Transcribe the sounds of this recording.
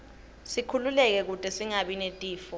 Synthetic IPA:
sikʰululɛk̬ɛk̬utʼɛsiŋaɓinetʼiːfɔ

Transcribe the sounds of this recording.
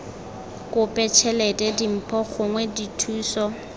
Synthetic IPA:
kʼʊpʼɛt͡ʃʰɛlɛtʼɛdim̩pʰɔχʊŋwɛditʰuːsɔ

